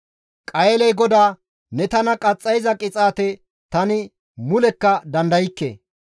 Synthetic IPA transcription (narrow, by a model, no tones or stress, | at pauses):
kʼɐjɛlɛjɡɔd̪aː | nɛt̪ɐnɐkʼɐt͡sʼːɐjzɐkʼɪt͡sʼaːt̪ɛ | t̪ɐnɪ | mʊlɛkːɐd̪ɐnd̪ɐjɪkːḛ